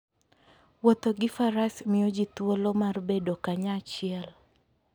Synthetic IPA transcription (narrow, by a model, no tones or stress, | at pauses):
wot̪oɡɪfaɾasmɪjod͡ʒit̪wolomarbedokaɲat͡ʃɪɛl